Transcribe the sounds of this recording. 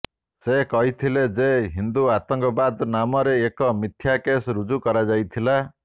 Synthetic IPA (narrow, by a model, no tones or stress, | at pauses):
sekɔɦit̪ʰiled͡ʒeɦind̪uat̪ɔŋkɔbad̪namɔɾeːkɔmit̪ʰjakesɾud͡ʒukɔɾad͡ʒajt̪ʰila